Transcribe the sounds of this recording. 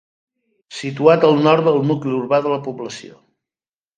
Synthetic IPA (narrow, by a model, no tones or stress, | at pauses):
sit̪uat̪əlˠnɔɾt̪d̪əlˠnukləuɾβaðələpuβləsio̰